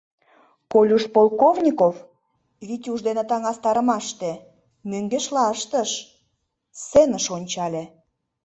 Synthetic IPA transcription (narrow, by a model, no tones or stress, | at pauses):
kolʲuʃpolˠkovnʲikov | βit̪ʲuʒd̪enet̪ɑŋɑst̪ɑɾəmɑʃt̪ĕ | møŋɡeʃlɑəʃt̪əʃ | senəʃonʲt͡ɕɑlʲĕ